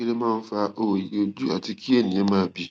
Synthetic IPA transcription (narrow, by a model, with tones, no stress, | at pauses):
e˦le˦mãː˦˧n̩˦fa˧ʔo˦˨o˨ji˨o˧d͡ʒu˦a˨ti˧ki˦e˦˨nĩ˨ẽ˨˦mãː˦bi˧